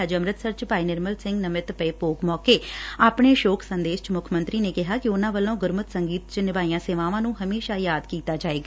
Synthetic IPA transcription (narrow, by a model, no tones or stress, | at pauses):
əd͡ʒəmɾət̪səɾt͡ʃpaːiːnɪɾməlsɪ̃ŋɡnəmɪt̪pəeːpoːkmɔːkeːaːpɳ̃eːʃoːkʰsənd̪eːʃt͡ʃmʊkʰmə̃nt̪ɾiːneːkɪɦaːkɪʊnãːʋəlõːɡʊɾmət̪səŋɡiːt̪t͡ʃnɪʋaːijãːseːʋãːʋãːnũːɦəmeːʃaːjaːd̪kiːt̪aːd͡ʒaːeːɡa